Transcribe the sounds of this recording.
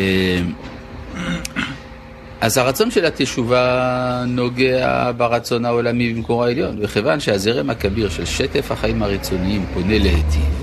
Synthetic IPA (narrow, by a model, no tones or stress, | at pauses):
em | ʔazhaʁat͡so̞nʃelhat̪eʃuvano̞ɡea̰baʁat͡so̞nao̞lamibimkoʁaeljo̞nbeχevanʃeazeʁemakabiʁʃelʃet̪efhaχaimaʁit͡so̞niimpo̞ne̞leet̪i